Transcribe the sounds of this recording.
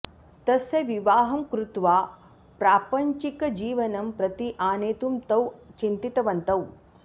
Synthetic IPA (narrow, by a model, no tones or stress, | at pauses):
t̪ɐsɐʋiʋaːɦɐmkɾut̪ʋaː | pɾaːpɐɲt͡ʃikɐd͡ʒiːʋɐnɐmpɾɐt̪iʔaːneːt̪umt̪ɐwt͡ʃint̪it̪ɐʋɐnt̪ɐw